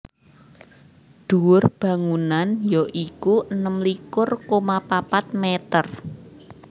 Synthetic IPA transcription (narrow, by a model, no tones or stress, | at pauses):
d̪̥uwʊrb̥ä̤ŋunanjɔʔikuʔənəmlikʊrkomapapat̪̚met̪ər